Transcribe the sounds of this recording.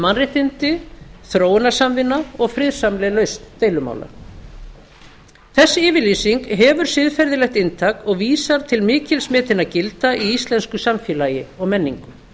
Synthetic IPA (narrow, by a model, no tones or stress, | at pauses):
manrɪht̪ɪnt̪ɪθɾoːwnḁsamvɪnːaɔɣfɾɪð̥samlɛlœɥst̪nt̪eːjlʏma̰ːwla̰ | θɛsːɪɪːvɪɾliːsiŋkɦɛvʏɾ̥sɪðfɛɾðɪlɛht̪ɪnt̪ʰaːkɔɣviːsaɾ̥t̪ʰɪlmɪːcɪlsmɛːt̪ɪnːacɪlt̪aʔiist̪lɛnskʏsamfjɪːlaːjɪɔɣmɛnːḭŋkʏ